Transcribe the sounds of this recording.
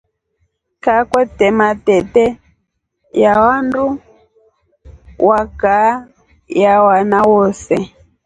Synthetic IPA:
kakwɛtɛmatɛtɛ | jawandu | waka | jawanawɔsɛ

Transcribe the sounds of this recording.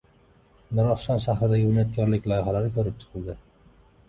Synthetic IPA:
nɒɾɒχʃɒnʃahɾɪd̪aɡʲɪʊnat̪̚kʰʲɒɾlɪkʲlˠɒjɪɦalaɾɪkʲʰɵɾɪp̚t͡ʃ̪ʰʊ̥qʰɨld̪ɪ

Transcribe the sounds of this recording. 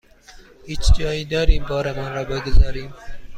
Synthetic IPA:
it͡ʃd͡ʒɑːid̪ɑːɾibɑːɾamɑnɾɑːbəɡʊzɑːɾiːm

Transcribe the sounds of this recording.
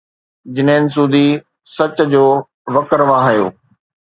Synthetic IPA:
d͡ʑɪnɦɪ̃nɪ̆s̬uːd̪ʱi | sɐt͡ɕd͡ʑoː | ʋɐkəɾʋãːɦɐjo̰ː

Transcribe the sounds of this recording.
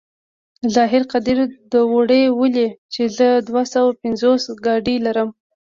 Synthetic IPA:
zɑɦɪɾqad̪iɾd̪əwoɽewəlet͡ʃezəd̪wasawapɪnzosɡɑɖilaɾəm

